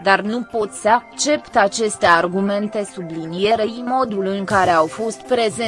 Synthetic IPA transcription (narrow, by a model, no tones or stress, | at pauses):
d̪arnupo̞t̪ʲsəakt͡ʃe̞pt̪at͡ʃe̞st̪e̞arɡume̞nt̪e̞sublinije̞ɾeimo̞d̪ulɨŋkaɾe̞awfo̞st̪pɾe̞ze